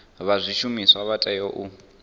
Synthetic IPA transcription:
βazʷiʃumiswaβatʼɛjɔʔu

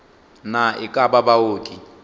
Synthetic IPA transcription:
naɪkʼababaoːtʼi

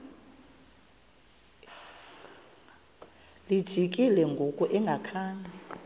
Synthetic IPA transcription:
lid̥ʒ̥ʱikʼilɛŋɡʱokʼɔʔɛŋɡʱakʰaːɲa

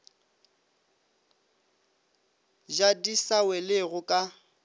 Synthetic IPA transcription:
d͡ʒadisawɛlɪɣʊkʼa

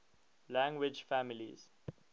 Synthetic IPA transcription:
læ̃ŋɡwɪd͡ʒfæmilḭz̥

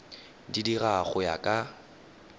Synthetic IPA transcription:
didiraχʊja̰kʼa

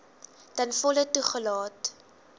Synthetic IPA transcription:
dənfɔlətuχəlɑːt

